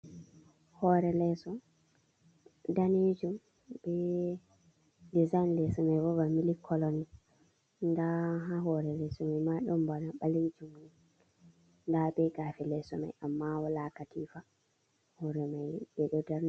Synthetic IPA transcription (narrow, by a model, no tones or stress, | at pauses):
hɔɾɛlɛsɔ | daned͡ʒum | bɛ | dizajnlɛsɔmajbɔbamilikʰːɔlɔni | ndaɦaɦɔɾɛlɛsɔmamaɗɔmbalaɓaled͡ʒum | ndaɓɛɡaːfɛlɛsɔma̰jʔamːawɔlakatʰiːfa | hɔɾɛmajɓɛɗɔdɛɾn